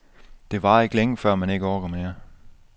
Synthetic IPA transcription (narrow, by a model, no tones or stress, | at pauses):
d̥e̝ʋɑ̈e̝ɡ̥əleŋəfɶɐ̰mæne̝ɡ̥əɒːɡ̥ɐmeːɐ